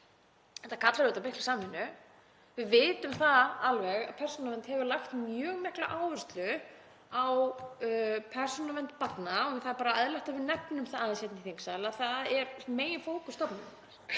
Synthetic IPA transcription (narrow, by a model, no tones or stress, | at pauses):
θɛhʰt̪ːakʰat̪laɾɪt̪awpɪhklḁsaːmhɪnːʏ | vɪðvɪːt̪ʏmθaalvɛɣa̰ðpʰɛr̥sɔnavɛnt̪hɛvʏlaxt̪mjœːɣmɛhklaʔaːwvɛr̥st̪lʏ | aw | pʰɛr̥sɔnavɛnt̪̚pat̪naɔθaðɾpaːɾaɛðlɛht̪avɪɾnɛpnʏmθaaðɪnsjɛt̪nɪθeŋksalaðθaðɛɾmeːjɪnfoːwkʏst̪ɔpnɪnaɾ̥